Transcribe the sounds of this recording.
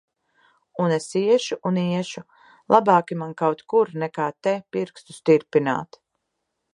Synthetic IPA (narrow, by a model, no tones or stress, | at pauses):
unesiɛʃuʔuniɛʃu | lˠʔabaːkimankawt̪kuɾnɛkaːt̪ɛpiɾkst̪ust̪iɾpina̰ːt̪